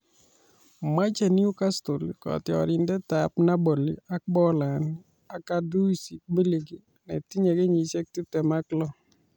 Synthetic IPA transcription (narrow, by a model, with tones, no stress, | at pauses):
ma˦t͡ʃe˨ni˦u˦ka˦sto˨lkɔ̰˨tɪɔ̰˨ɾɪ˨ndɛ˦ta˨pna˦bo˨lḭ˨a˦k̚bɔ˦la˨n | a˨ka˦du˦si˨k̚mi˦li˨ɡi˨ | nɛ̰˨ti˦ɲe˨ɡe˦ɲi˨t͡ʃe˦k̚tu˦tɛ˨ma˦klɔ˦